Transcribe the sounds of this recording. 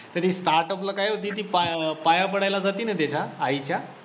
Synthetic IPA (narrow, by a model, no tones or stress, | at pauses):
t̪əɾt̪iːsʈaɾʈəplakajot̪̬iːt̪̬iːpapajapəɽajlad͡zat̪iːnət̪at͡ɕʰaːit͡ɕa